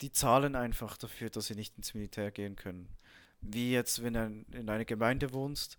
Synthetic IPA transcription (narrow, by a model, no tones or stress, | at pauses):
d̥iːt͡saːlənaɪnfaχd̥afyːɐd̥asz̥iːnɪçtɪnsmilitʰɛːɐɡeːənkʰœnən | viːjɛt͡stvɛnndunɪnaɪnɐɡ̥əmaɪndəvoːnst